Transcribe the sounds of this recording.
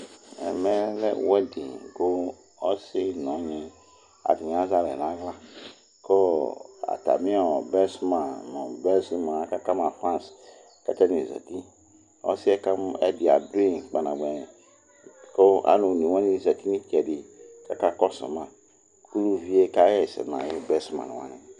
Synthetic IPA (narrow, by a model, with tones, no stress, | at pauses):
ɛ̰˨mɛ˦lɛ˦wɛ˦di˨ɡo˦ | ɔ˦si˦nɔ̃˨˦ɲɛ˨ | a̰˨di˨n˨˦a˦za˦ɾɛ̰˨nã˨˦va˦ | kɔ˦a̰˨ta̰˨mĩ˦a˨bɛ˦sma˨mɔ̃˨bɛ˦si˦mɔ̃˨a˨ka˦ka˦ma˨fɾã˦˨s | ka˦tɛ˦nĩ˨za̰˨ti˦ | ɔ̰˦si˦ɛ˦ka˦mɛ̰˦di˨a˨du˦ĩ˦˨k͡pa˨na˨ɡ͡bɛ̃˨ | kɔ˦a̰˦nu˨n˨i˨wa˦nĩ˦˨za˨ti˦ni˦kɛ˨di˨ka˦ka˦kɔ˦sɔ̰˨ma˨ | kʰu˦lu˦vi˦e˦ka˦ɛ˦˨sɛ̰˨n˨a̰˨ji˦bɛ˦sma̰˨wa̰˦ni˨